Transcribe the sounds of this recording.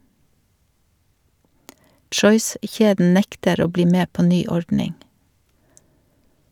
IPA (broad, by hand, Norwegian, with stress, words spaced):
ˈtʃɔʏˌsçeːdn̩ ˈnɛktəɾ ˈoː ˈbliː ˈmeː ˈpoː ˈnyː ˈɔɹdnɪŋ